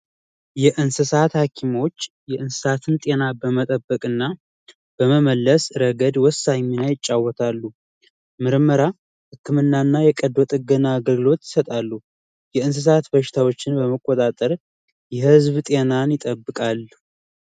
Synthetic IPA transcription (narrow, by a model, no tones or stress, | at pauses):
jɛʔɨnsɨsat̪hakʰimo̞t͡ʃː | jɛʔɨnsɨ̥sat̪ʰɨnt̪ʼe̞nabəmət̪ʼəbːəkʼɨnːa | b̥əməməlːəsɾəɡəd̪wɔsːaɲːinajɪt͡ʃʼːawɔt̪ʰalːu | mɨɾməɾa | hɨkʰːɨmɨnːanːajɛkʼəd̪ɔt̪ʼɨɡənaːɡəlɡɨlo̞t̪jɪ̥sət̪ʼalːu | jɛɨns̬ɨs̬at̪bəʃɪ̥t̪ʰawo̞t͡ʃːɪnbəməkʼːot̪ʼat̪ʼəɾ | jɛhɨzβt̪ʼe̞nanjɪt̪ʼəbːɨkʼalː